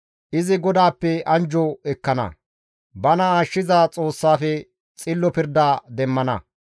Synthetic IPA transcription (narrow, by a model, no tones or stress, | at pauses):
ʔɪzɪɡɔd̪aːpːɛʔɐnd͡ʒɔɛkːɐnɐ̰ | bɐnɐaːʃːɪzaːt͡sʼo̞ːsːaːfɛ | t͡sʼɪlːɔpɪɾd̪aːd̪ɛmːɐnɐ̰